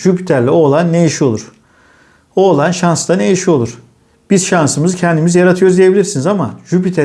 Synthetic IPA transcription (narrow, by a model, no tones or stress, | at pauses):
ʒypi̥t̪ʰæɾlʲɛo̞ːlˠanːejiʃio̞lˠuɾ̥ | o̞ːlˠanʃanst̪anejiʃio̞lˠuɾ̥ | b̥izʃansɯmɯzɯcʰɛnd̪imizijaɾat̪ʰɯjoɾuzd̪ije̞bilʲiɾsinizamaʒupit̪ʰæ